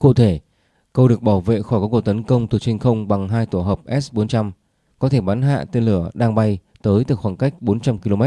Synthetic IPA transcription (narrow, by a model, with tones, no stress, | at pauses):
kṵ˧˨t̪ʰe˧˩ | kə˧wɗɨ˨˩ək̚ɓaː˧˩wvḛ˧˨xɔ˧˩jka˨˦ku˨˩k̚t̪ə˨˦nkə˧wŋ͡mt̪ʰu˨˩t͡ɕʰi˧ŋ̟xə˧wŋ͡mɓa˨˩ŋɦaː˧jt̪o˧˩ɦəː˨˩p̚ʔɛ˦˥sɓo˨˦nt͡ɕa˧m | kɔ˨˦t̪ʰe˧˩ɓaː˨˦nɦa̰ː˧˨t̪e˧nlɨ˧˩əɗaː˧ŋɓa˧j | t̪əː˨˦jt̪ɨ˨˩xwaː˧˩nka˦˥k̟̚ɓo˨˦nt͡ɕa˧mki˧lo˧mɛ˦˥t̚